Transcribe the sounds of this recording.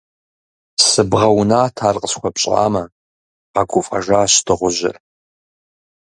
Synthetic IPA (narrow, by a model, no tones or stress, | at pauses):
sɨbʁɐwnaːtʰaːrqʼəsxʷɔpɕʼa̰ːmɐ | qɐɡʷʊfʼɐʒaːɕtʰɨʁʷʊʑɪ̰r